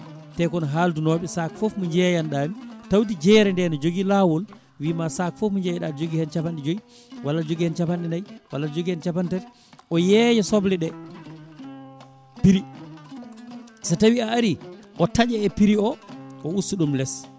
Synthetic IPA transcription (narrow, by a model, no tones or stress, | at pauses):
tɛkɔnɦaldunɔːɓɛsakfɔfmuɲd͡ʒɛjanɗamitawt̬id͡ʒɛɾɛndɛnɔd͡ʒoɡilawɔl | wiːmasakfɔfmiɲd͡ʒɛjɛɗad͡ʒoɡihɛnt͡ʃapanɗɛd͡ʒoi | walːad͡ʒoɡihɛnt͡ʃapanɗɛnajwalːad͡ʒoɡihɛnt͡ʃapantɛɾ | ʔɔjɛːjɛsɔblɛɗɛ | piɾi | satawiaːɾiʔɔtad͡ʒɛɛpiɾiɔʔɔusːuɗumlɛs